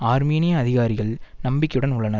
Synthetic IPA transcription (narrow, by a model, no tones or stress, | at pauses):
aːɾmiːnɪjɐːðɪɣaːɾɪɣɐɭnɐmbɪkːɐjɯɽɐnʊɭːɐnɐɾ